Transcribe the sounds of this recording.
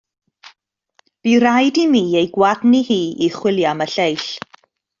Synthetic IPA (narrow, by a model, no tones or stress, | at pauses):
b̥iɾajdimiːejɡwadnihiːiχwɪlˠjaməɬejɬ